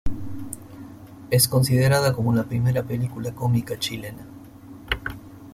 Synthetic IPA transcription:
e̞sko̞nsið̞e̞ɾaðako̞molapɾime̞ɾape̞likulako̞mikat͡ʃile̞na

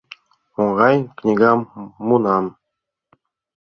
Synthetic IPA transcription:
oʁɑjknʲiɡamːunɑn

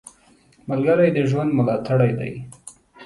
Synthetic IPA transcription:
malɡaɾajd̪əʒwand̪mʊlɑt̪ʰaɽajd̪a̰j

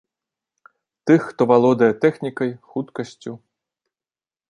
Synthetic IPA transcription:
t̪ɨxːt̪ɔvalˠɔd̪ɐjɛt̪ɛxnʲikɐjxut̪kɐsʲt͡sʲu

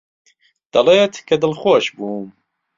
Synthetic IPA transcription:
d̪̥ɐleːt̪kʰɐd̪ɨlxoːʃbuːm

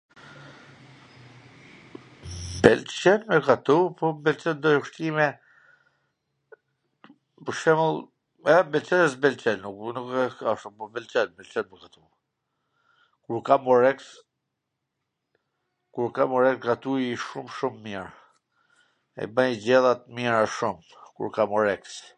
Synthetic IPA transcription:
bɛlt͡ʃɛnmɛkat̪upɔmbɛlt͡ʃɛnd̪ɔjɔʃt̪imɛ | pəɾʃɛməlˠ | ɛɛmbɛlt͡ʃɛnɛs̬bɛlt͡ʃɛlnuknukɛkaʃumpɔbɛlt͡ʃɛnbɛlt͡ʃɛnmɛkat̪u | kuɾkamɔɾɛks | kuɾkamɔɾɛkɡɾat̪uiʃumʃumːiɾ | ɛ̰banid͡ʑɛðat̪miɾaʃum | kṵɾkamɔɾɛks

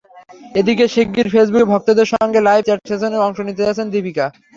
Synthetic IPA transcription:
ed̪ikeʃik̚ɡiɾfes̬bukbʱɔk̚t̪od̪eɾʃɔŋɡelajbt͡ɕaʈsesoneɔŋʃonit̪ed͡ʑat͡ɕʰend̪ibika

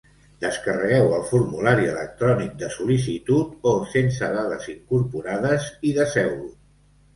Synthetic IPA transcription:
d̪̥əskərəɣɛwəlˠfuɾmulaɾiələ̰k̚t̪ɾɔnik̚d̪əsulis̬it̪ut̪osensəðaðəziŋkuɾpuɾaðəziðəsɛwlu

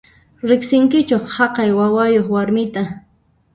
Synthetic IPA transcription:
ɾɪχsɪŋkɪt͡ʃoχhɑqɑjwawajoχwaɾmɪt̪a

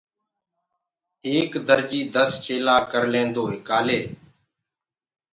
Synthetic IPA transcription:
eːkd̪əɾd͡ʒiːd̪əst͡ʃeːlaːkəɾlẽːnd̪oːɦɪkaːleː

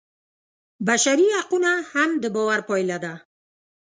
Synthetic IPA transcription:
baʃaɾihaqunahamd̪əbɔwaɾpɔjlad̪a

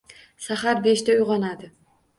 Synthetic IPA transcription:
saχaɾbe̞ʃt̪aʊjʁɑnad̪ɪ

